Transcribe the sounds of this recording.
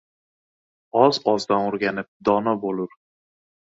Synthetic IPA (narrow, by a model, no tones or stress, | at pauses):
ɒzɒzd̪anoɾɡʲanɪp̚d̪ɒnabolʊɾ